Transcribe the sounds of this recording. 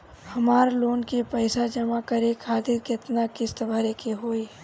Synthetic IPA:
hɐmaːɾloːnkepɛɪsad͡ʒɐmakəɾekʰaːt̪ɪɾkɪt̪nakɪst̪əbʱɐɾekeɦoːi

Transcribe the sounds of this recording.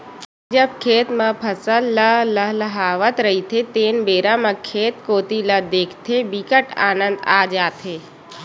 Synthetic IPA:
d͡ʒəb̚kʰeːt̪mãpʰəsəlːələɦləɦaːʋət̪ɾəɦit̪ʰet̪eːnbeːɾãmãkʰeːt̪koːt̪iləd̪eːkʰt̪ʰebikəʈa̰ːnə̃nd̪aːd͡ʒaːt̪ɦeː

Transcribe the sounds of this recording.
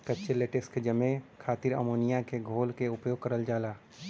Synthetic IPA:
kɐtːʃeleːʈəsked͡ʒɐmẽkʰaːt̪ɪɾə̰moːnijãkeɡʱoːlkeʊpjoːɡ̚kəɾəld͡ʒaːlaː

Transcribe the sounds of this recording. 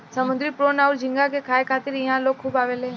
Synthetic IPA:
sɐmʊ̃nd̪ɾipɾoːnaːʊɾd͡ʒɪ̃ŋɡak̬ekʰaːekʰaːt̪ɪɾjɐɦãloːɡ̚kʰuːbaːʋeleː

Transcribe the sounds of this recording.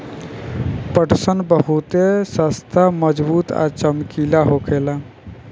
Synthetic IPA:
pəʈsənbəɦut̪esəst̪ʰaməd͡ʒbuːt̪a̰t͡ʃəmkilaɦokʰela

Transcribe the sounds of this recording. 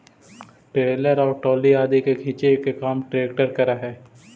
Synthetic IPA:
ʈɾeːləɾɔːɾʈoːliaːd̪ikekʰɪːt͡ʃekekaːmʈɾeːkʈəɾkɐɾaɦɛː

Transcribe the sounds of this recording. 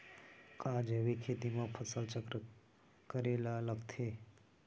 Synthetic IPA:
kãd͡ʒeʋikʰet̪imãpʰəsəlt͡ʃəkɾə | kəɾelaləɡt̪ʰe

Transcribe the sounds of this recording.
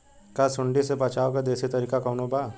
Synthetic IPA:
kasʊɳɖisepɐt͡ʃaːʋkad̪eːsit̪ɐɾiːkakɐːnobaː

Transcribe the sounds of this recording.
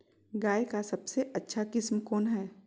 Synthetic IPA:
ɡaːekasɐbseʔɐtːʃʰakɪsmkɔːnɦɛː

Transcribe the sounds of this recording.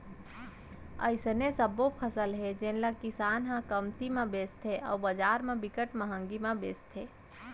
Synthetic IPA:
ə̰ɪsnesəbopʰəsəlɦed͡ʒenləkɪsaːnɦãkəmt̪imẽbeːst̪ʰeʔɔ̰ːɾbəd͡ʒaːɾmẽbɪkəʈməɦə̃ŋɡimẽbeːst̪ʰeː

